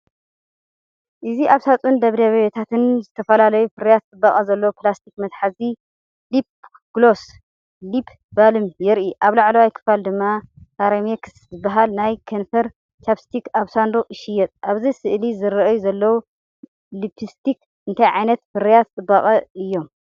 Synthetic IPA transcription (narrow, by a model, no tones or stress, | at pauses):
ʔɨziʔaβsat͡sʼund̪ɐβɾeββet̪ʰat̪ʰɨnzɨt̪ʰɐfɐlalɐjufɨɾɐjat̪̚t͡sʼɨbːɐχʼɐzɐlːɐwuplast̪ʰikmɐt̪ħazi | lip̚ | ɡ̥los | lipʰ | balɨmjɛɾʔiʔaβlaʕlɐwajkʰɨ̥fald̪ɨmːakʰaɾemekɨ̥szɨbːaɦalnajkʰɐnfɐɾ | t͡ʃapst̪ʰikaβsand̪oɨʃijːɛt̪ʼʔaβzɐjsɨʔlizɨɾɐʔɐjuzɐlːɐwu | lipʰist̪ʰik | ɨnt̪ʰajʕajnɐt̪fɨɾijat̪t͡sʼɨbːɐχʼɐʔɨjːo̞m